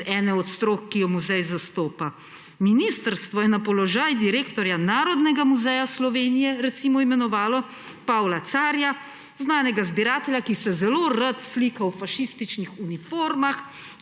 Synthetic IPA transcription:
ɛnɛɔt̪st̪ɾoːkːijɔmuzɛjzast̪oːpa | minist̪əɾst̪ʋɔjɛnapɔlɔʒaːjd̪iɾeːkt̪ɔɾjanaːɾɔd̪nɛɡamuzɛjaslɔʋeːnijɛɾɛt̪simɔimɛnɔʋaːlɔ | paːwlat̪saːɾja | znaːnɛɡazbiɾaːt̪ɛljakisɛzɛloɾət̪sliːkawfaʃist̪it͡ʃnixunifoːɾmax

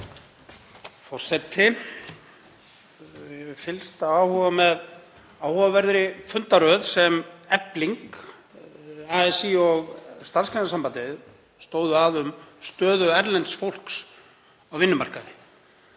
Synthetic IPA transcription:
fɔ̥sɛt̪ʰːɪ | vɪfɪlst̪aawhɔvamɛð | awhɔvavɛɾðɾɪfʏnt̪aɾœðsɛmɛpliŋk | aɛsiɔɣst̪anskʰɛnasampant̪ɪð | st̪oːwðʏaðʏmst̪œːðʏɛɾlɛnt̪sfowl̥ks | awvɪnːʏma̰r̥kaðɪ

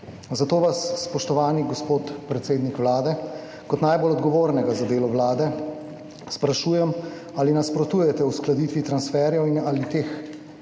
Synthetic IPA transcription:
zat̪oːʋasːpɔʃt̪ɔʋaːniɡɔspoːt̪pɾɛt̪seːd̪nikʋlaːd̪ɛ | kɔt̪najbolɔd̪ɡɔʋoːɾnɛɡazad̪eːlɔʋlaːd̪ɛ | spɾaʃuːjɛm | aːlinaspɾɔt̪uːjɛt̪ɛwsklad̪iːt̪ʋit̪ɾansfɛɾjɛwinalit̪eːx

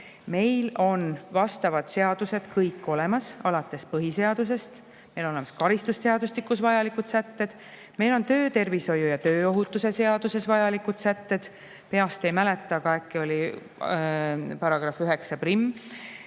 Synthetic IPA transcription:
me̞jlo̞nvɑst̪ɑvɑd̪̥se̞ɑd̪̥use̞d̪̥kɤjkːˑo̞le̞mɑsɑlɑt̪ːˑe̞spɤɦise̞ɑd̪̥us̬e̞st̪ | me̞jlonolemɑ̥skɑɾist̪usse̞ɑd̪ust̪ikːˑusvɑjɑlikud̪̥sæt̪ːed̪̥ | me̞jlo̞nt̪ø̞ːt̪e̞rviso̞jujɑt̪ø̞ːo̞ɦut̪ːˑuse̞se̞ɑd̪̥use̞svɑjɑlikut̪sæt̪ːe̞d̪̥ | pe̞ɑst̪ejmæle̞t̪ːˑɑkɑekːˑio̞lʲi | pɑɾɑɡ̥rɑfyɦe̞ksɑprimː

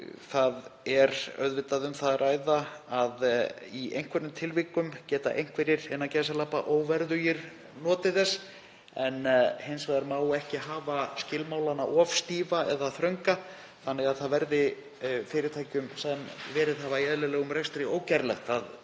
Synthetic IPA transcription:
θaðɛɾœ̰ðvɪt̪aðʏmθaðrʔaːjðaaðiejŋ̥kʰvɛɾnʏmt̪ʰɪlviːkʏmcɛːt̪a̰ʔejŋ̥kvɛɾɪɾɛnːacɛːsalaːpaʔoːwvɛɾðʏjɛɾ | nɔːt̪ɪðɛs | ɛnhejnsvajðaɾmaːwɛhcɪɦaːvascɪlmaːwlanːa̰ʔɔfst̪iːvaʔɛðaθɾœŋka | θanːɛɣaðθaðvɛɾðɪ | fɪːɾɪɾt̪ʰaːjcʏmsaɛmvɛːɾɪðɦaːvaiɛðlɪlɛːɣʏmɾest̪ɾɪoːwcaɾlɛxt̪að

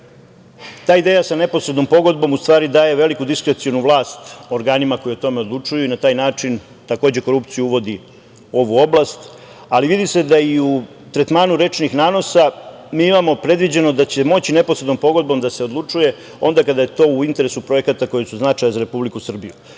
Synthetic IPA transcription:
t̪aːid̪e̞ːjasane̞po̞sɾe̞d̪no̞mpo̞ɡo̞d̪̚bo̞must̪ʋaːɾid̪aːje̞ʋe̞likud̪iskɾet̪sijonuʋlˠaːst̪o̞ɾɡaːnimako̞jiot̪o̞me̞o̞d̪lˠut͡ʂujuinat̪aːjnaːt͡ʂin | t̪ako̞ːd͡ʑe̞ko̞ɾupt̪sijuuʋo̞d̪i | o̞ʋuo̞blast̪ | aliʋid̪ise̞d̪aiu | t̪ɾet̪maːnuɾe̞t͡ʃnixnaːno̞sa | miːimamo̞pɾe̞d̪ʋid͡ʑe̞no̞d̪at͡ɕe̞mo̞t͡ɕine̞posɾed̪no̞mpo̞ɡo̞d̪̚bo̞md̪ase̞o̞d̪lˠut͡ʂuje̞ | o̞̰nd̪akad̪aje̞t̪o̞ːuint̪e̞ɾesupɾo̞je̞kat̪ako̞jesuznat͡ʂajazaɾe̞publikusr̩biju

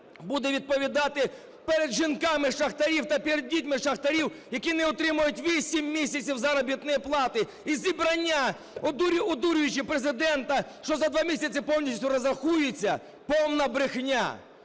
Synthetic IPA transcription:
bud̪ɛʋʲid̪̚pɔʋʲid̪ɑt̪ɪ | peɾed̪ʒinkɑmɪʃɐxt̪ɐɾʲiwt̪ɐpʲiɾed̪̚ʲːitʲmɪʃɐxt̪ɐɾʲiwjɐkʲinɛʊt̪ɾɪmʊjʊtʲʋʲisʲimʲːisʲɐt͡sʲiwzɐɾɔbʲit̪nɪjiplˠɑt̪ɪ | izʲibɾɐnʲːa | ɔd̪uɾʲʊɔd̪uɾʲʊjʊt͡ʃɪpɾezɪd̪ɛnt̪ɐʃt͡ʃɔzɐd̪ʋɑmʲisʲɐt͡sʲɪpɔwnʲisʲʊɾɐzɐxujʊt͡sʲːɐ | pɔwnɐbɾɪxnʲa̰

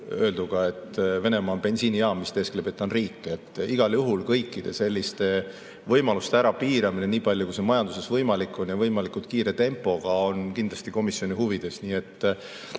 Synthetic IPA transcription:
ø̞ːld̪uɡ̥ɑe̞t̪ːve̞ne̞mɑːnb̥e̞nsiːnijɑːmist̪e̞sklebet̪ːˑɑnriːkːeet̪ːˑiɡ̥ɑljuɦulkɤjkˑːid̪̥e̞se̞lʲːist̪e̞ | vɤjmɑlust̪eæɾɑpiːɾɑmine̞niːpɑlʲjukusemɑjɑnd̪use̞svɤjmɑlikːˑo̞njɑvɤjmɑlikːˑut̪̚kiːɾe̞t̪e̞mpːˑo̞ɡ̥ɑo̞nkind̪lɑst̪iko̞misjo̞nʲihuvid̪̥e̞sniːe̞t̪ː

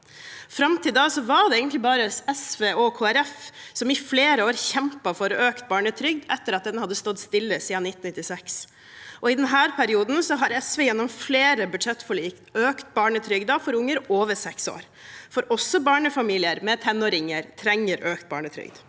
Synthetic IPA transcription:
fɾɑmt̪ʰiːd̪ɑsɔʋɑɖ̪ɛeːɡənt̪lɪbɑːɾəɛsʋeːɔkʰoːæɾɛfsɔmɪfleːɾəoːɾçɛmpɑfɔɾɔøːkt̪̚bɑːɳət̪ʰɾʏɡ̚d̪ɛt̪ːəɾɑt̪̚d̪ɛnhɑd̪ːəst̪ɔd̪st̪ɪlːəsiːɑnɪt̪ːn̩nɪt̪ːɪsɛks | ʔɔɪd̪ɛnɦæːɾpʰæɾɪuːd̪n̩sɔɦɑɾɛsʋɛːjɛnːɔmfleːɾəbʉd̪ʂɛt̪ːfɔɭiːkt̪øːkt̪̚bɑːɳət̪ʰɾʏɡd̪ɑfɔɾʊŋːəɾoːʋəɾsɛkso̰ːɾ | fɔɾʔɔsːɔbɑːɳəfɑmiːlɪəɾmɛt̪ʰɛnːɔːɾɪŋːəɾt̪ʰɾɛŋːəɾøːkt̪̚bɑ̰ːɳət̪ʰɾʏ̰ɡd̪̥

